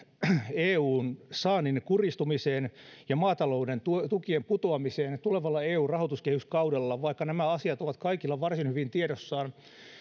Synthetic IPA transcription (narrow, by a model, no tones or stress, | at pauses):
eːuːnsɑːninkurist̪umiseːnjɑmɑːt̪ɑloudent̪ut̪ukiemput̪oɑmiseːnt̪uleʋɑlːɑeːuːrrɑhot̪uskehyskɑudelːɑʋɑikːɑnæmæɑsiɑt̪oʋɑt̪kɑikilːɑʋɑrsinhyʋint̪ieɾosːɑːn